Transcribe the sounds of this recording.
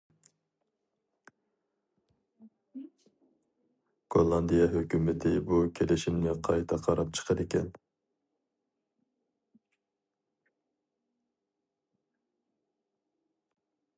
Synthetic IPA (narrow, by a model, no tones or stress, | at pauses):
ɡ̥olˠːɑnd̪ijɑɦøkʲymɪt̪ʰɪbukʲʰelɪʃimnɪqʰɑjt̪ʰɑqʰɑɾɑp̚t͡ʃʰə̥qʰəd̪ɪkʲʰɛn